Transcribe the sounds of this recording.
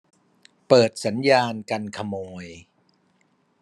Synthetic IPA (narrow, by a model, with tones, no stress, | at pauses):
pɤː˨˩t̪̚sa˩˦njaː˧nka˧nkʰa˧moː˧j